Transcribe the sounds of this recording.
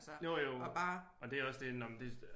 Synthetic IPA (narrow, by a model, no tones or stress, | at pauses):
jojob̥a | ɒ̽d̥eɒsd̥e̝nɒmd̥e